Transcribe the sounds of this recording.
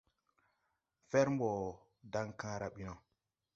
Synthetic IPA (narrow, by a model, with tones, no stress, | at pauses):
fe˦ɾm˦bɔ˨ | da˦ŋkã˦ɾa˨ɓi˦no˨